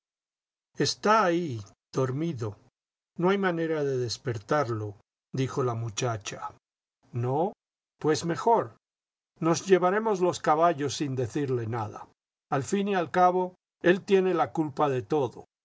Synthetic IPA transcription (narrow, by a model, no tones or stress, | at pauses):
e̞st̪aːi | ð̥o̞ɾmiðo̞ | noajmane̞ɾaðe̞ðe̞spe̞ɾt̪aɾlo̞ | d̪ixo̞lamut͡ʃat͡ʃa | no | pwe̞sme̞xo̞ɾ | no̞zʝe̞βaɾe̞mo̞zlo̞skaβaʝo̞sːind̪e̞θiɾle̞naða̰ | alfinialkaβo̞ | e̞lt̪je̞ne̞lakulpaðe̞t̪o̞ðo